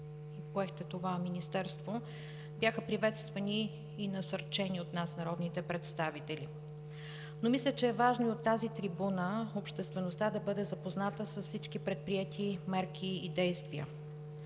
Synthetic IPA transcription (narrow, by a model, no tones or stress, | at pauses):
ipoɛxt̪ɛt̪ovaminist̪ɛɾst̪vo | bjaxəpɾivɛt̪st̪vɐniː | nɐsɐɾt͡ʃɛniot̪nasnɐɾɔd̪nit̪ɛpɾɛt̪st̪avit̪ɛli | nomislʲɛt͡ʃɛːvaʒnoiot̪ːazit̪ɾibunəopʃt̪ɛst̪vɛnost̪ad̪ɐbɤd̪ɛzɐpoznat̪əsəsfsit͡ʃkipɾɛt̪̚pɾiɛt̪ʰimɛɾkʰʲiid̪ɛjst̪viə̰